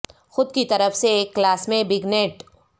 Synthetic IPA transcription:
xʊd̪kit̪ɐɾəfseːkːlaːsmẽbɪɡneːʈ

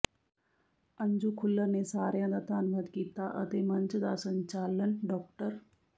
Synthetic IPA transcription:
əɲd͡ʒukʰʊlːəɾnesaːɾjãd̪aːt̪aːnʋəd̪kiːt̪aʔɐt̪eːmɐɲt͡ʃd̪asə̃ɲt͡ʃaːlənɖɔːk̚ʈəɾ

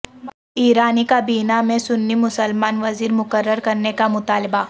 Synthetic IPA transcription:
iːɾaːnikabiːnamẽsʊnːimʊsəlmaːnʋɐziːɾmʊkəɾːəɾkɐɾnekamʊt̪aːlɪba

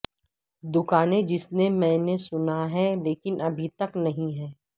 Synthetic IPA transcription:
d̪ʊkaːnẽd͡ʒɪsnemɛ̃ːnesʊnaɦɛleːkɪnʔɐbʱit̪ɐknɐɦĩɦɛː

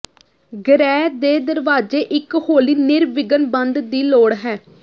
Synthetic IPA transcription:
ɡəɾɛːd̪eːd̪əɾʋaːd͡ʒeːʔɪkhoːliːnɪɾʋɪɡənbənd̪d̪iːloːɽɦɛː

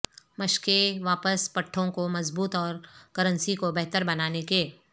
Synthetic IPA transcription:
mɐʃkeʋaːpəspɐʈʰːõkomɐzbuːt̪ɔːɾkɐɾə̃nsikobɛɦt̪əɾbɐnaːnekeː

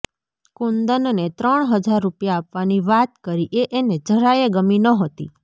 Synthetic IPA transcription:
kund̪ənnet̪ɾəɳɦəd͡ʒaɾːupjaːpʋaniʋat̪kəɾiʔeʔened͡ʒəɽajeɡəminəɦot̪ḭ

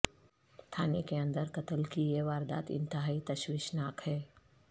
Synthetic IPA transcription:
t̪ʰaːnekeɐ̃nd̪əɾkɐt̪əlkieʋaːɾd̪a̰ːt̪ɪ̰̃nt̪ɪɦaːit̪ɐʃwiːʃnaːkɦɛː

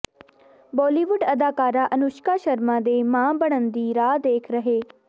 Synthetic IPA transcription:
bɔːliːʋʊɖɐd̪aːkaːɾaʔɐnʊʃkaʃɐɾmãd̪eːmãːbəɽ̃ənd̪iːɾaːd̪eːkʰɾɐɦeː

